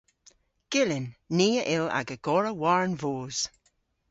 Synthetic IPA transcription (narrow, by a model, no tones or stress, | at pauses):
ɡ̥ɪlɪnːiːəʔɪla̰ɡəɡ̥ɔɹəwaɹnvoːz̥